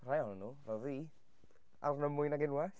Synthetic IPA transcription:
r̥ajɔnənːuːvɛðiː | a̰rnəmʊjnaɡɪnwaθ

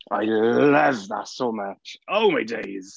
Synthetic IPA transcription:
ʔa̰ɪlʌvðə̰tsoʊmʌt͡ʃoʊmaɪdeɪz̥

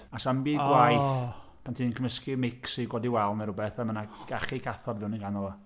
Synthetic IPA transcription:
asambiːðɡwajθ | pʰantʰiːnnkʰəməskɪmɪksiɡwɔdiwɛlˠmɛɾʊbɛθɛmənaɡ̥aχikʰaθɔdvɪwninɡanɔlˠɔ

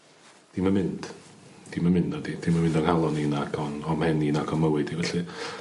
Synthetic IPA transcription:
d̥imamɪnd̥d̥imanmɪnd̥ɔdid̥imamɪ̃ndɔnhalˠɔninaɡɔnɔmɛninaɡɔnməwɨdivɛɬi

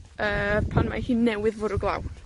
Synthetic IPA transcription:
əːpʰanma̰hiːnɛwɪðvʊɾɔɡlˠa̰w

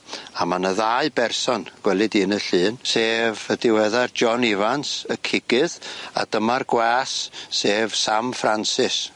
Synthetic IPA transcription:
amanəðaːɨbɛrsɔnɡ̥wɛlˠɨdiːnəɬɨːnseːvədɪwɛðard͡ʒɔnɪvansəkʰɪɡɨða̰d̥əmarɡwaːsseːv̥samfransɪs

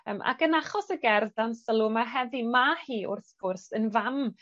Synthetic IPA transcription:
əːmʔa̰kənaχɔsəɡɛrðdansəlˠʊmaɦɛðimahiːʔʊ̰rθɡʊrsənvam

